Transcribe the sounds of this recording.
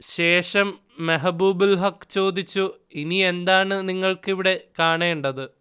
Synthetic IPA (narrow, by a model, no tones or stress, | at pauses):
ɕe̞ːʂɐmː | eɦɐbuːbulɦɐkːt͡ɕo̞ːd̪it͡ɕːu | inie̞nd̪aːɳɨniŋːɐɭkiʋiɽekaːɳeːuɳɖɐðɨ